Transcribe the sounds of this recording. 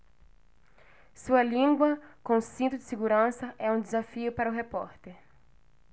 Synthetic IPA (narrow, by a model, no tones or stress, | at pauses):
suɐlĩŋɡwɐkõsĩnt̪ʊd̪ɪ̥seɡuɾɐ̃sɐʔɛũd̪ɪzafiʊpaɾɐʊɦepɔɾt̪eɾ